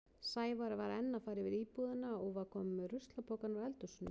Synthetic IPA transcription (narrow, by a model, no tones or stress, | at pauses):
saːjvaɾavaɾɛnːafaːjɾɪvɪðiːpuðɪnaɔɣvaɾ̥kʰɔːmmɪrʏst̪lapʰowkanaɛlt̪ʏsʏnːɪ